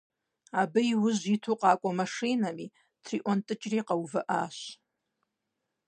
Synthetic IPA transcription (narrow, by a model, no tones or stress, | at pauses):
abɨiwʊzitʰuqʼakʷʼamaʂinami | tʰriʔʷantʼɨt͡ʃʼriqʼawvaʔa̰ʃ